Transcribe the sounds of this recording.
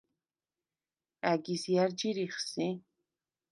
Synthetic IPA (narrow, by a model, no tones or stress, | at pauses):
æɡisjaɾd͡ʒiɾiχsi